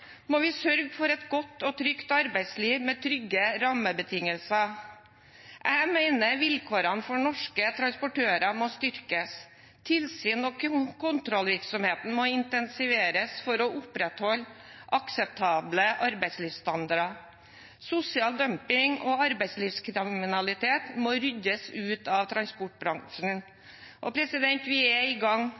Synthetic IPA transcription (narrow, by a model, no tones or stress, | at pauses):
moːʋɪsœɾɡfɔɾɛt̪ɡɔt̪ːɔt̪ʰɾʏkt̪ɑɾbæɪsliːʋmeːt̪ʰɾʏɡːəɾɑməbət̪ʰɪŋəlsɑ | ʔæɪmæɪnəʋɪlkʰoːɾɑnfɔɳɔʂkət̪ʰɾɑnspʊʈøːɾɑmoːst̪ʏɾkəs | t̪ʰɪlsyːnɔkkʊnt̪ɾɔlʋɪɾksɔmheːt̪n̩moːɪnt̪ɛnsɪʋeːɾəsfɔɾɔʔʊpɾɛt̪hɔlːʔɑksɛp̚t̪ʰɑːbləʔɑɾbæɪsliːʋst̪ɑnd̪ɑɾɑ | sʊsɪɑːld̪œmpɪŋɔ̰ɑɾbæɪsliːʋskʰɾɪmɪnɑlɪt̪ʰeːt̪moːɾʏd̪əsʉːt̪ɑʋt̪ʰɾɑnspɔʈ̚bɾɑŋʂn̩ | ʔɔpʰɾɛsɪd̪ɛnt̪ʋɪɛɪɡɑŋ